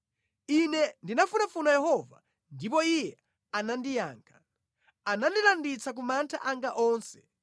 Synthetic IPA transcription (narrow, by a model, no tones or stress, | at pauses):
inɛndinafunafunajɛɦɔva̰ | ndipɔijɛ | anandija̰ːŋkʰḁ | anandilandit͡sak̬umantʰaʔaŋɡaʔɔːnsɛ̥